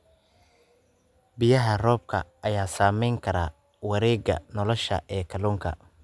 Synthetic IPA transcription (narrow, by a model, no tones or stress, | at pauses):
bɪjɐɦɐrɔːb̚kʰɐ̰ʔɐjaːsaːmɛjŋkʰɐɾa̰ː | wɐɾɛːɡɐ̰nɔlɔʃɐ̰ʔɛːkʰɐluːŋkʰɐ̰